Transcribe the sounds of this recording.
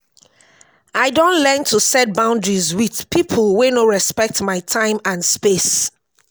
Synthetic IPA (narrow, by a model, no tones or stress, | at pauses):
aɪdõnlɛntʰusɛt̚bãʊ̃ndɹizwið̥pʰipʰəlwenoɹɛspɛk̚tmaɪtʰãɪ̃mãnspes